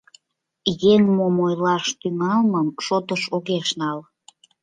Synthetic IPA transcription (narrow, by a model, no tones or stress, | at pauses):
jeŋmomojlɑʃt̪yŋɑlməmʃot̪əʃoɣeʃnɑl